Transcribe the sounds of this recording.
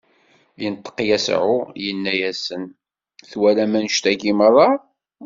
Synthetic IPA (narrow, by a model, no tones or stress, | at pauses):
lint̪ˤːə̥qjæsʕʊjənːæjæsən | θwælæmænəʃt̪æɡiməɾˤɑ